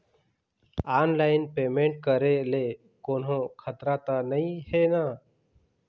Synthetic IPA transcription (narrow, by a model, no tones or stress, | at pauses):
aːnlaːɪnpeːmẽːɳʈ̚kəɾeːleː | koːnɦõːkʰət̪ɾaːt̪anəĩheːnaː